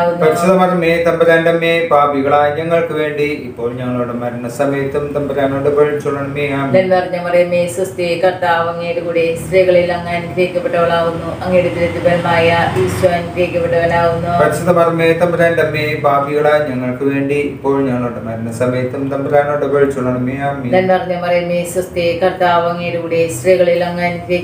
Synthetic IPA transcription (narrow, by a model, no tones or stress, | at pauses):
aːɣunːpɐisiðɐmɐrɐmːet̪ɐmbɐɾaːnɖɐmːebaːbiɣɐɭaːɲɐŋːɐɭkɨʋe̞ːɳɖiipːo̞ːɭɲɐŋːɐɭoːɽɐmɐːɾunːɐsɐmɐjɐt̪ːumt̪ɐmbɐɾaːnoːɽɐpoɭt͡ɕuɳːɐɳɐmeaːnɐnpɐrɐɲːɐmɐrɐjɐmːesɾɐst̪ikɐrt̪aːʋɐŋːejɽukuːɽisreɣɐɭilɐŋːɐnɾeːkʲːɐpːeʈːɐɣɐɭaːɣunːuʔɐŋːejɽupiɾɐd̪ibɐlmaːjɐiːsʈaːnkeːkʲːɐpːeʈːɐɣɐɭaːɣunːupɐɽisit̪ɐmɐrɐmːet̪ɐmbɐɾaːnt̪ɐmːebʱaːbʱiɣɐɭaːɲɐŋːɐɭkɨʋe̞ːɳɖiipːo̞ːɭɲɐŋːoʈːɨmaɾunːɐsɐmɐjɐt̪ːɐmt̪ɐmbɐɾaːnoʈːɨpɐɻt͡ɕːuɭːɐɳɐmejaːmːenɐnpɐrɐɲːɐpɐrɐjumesɐst̪ekɐrt̪aːʋɐŋːejɾkuːɽesriːɣɐɭilɐŋːaːnkeː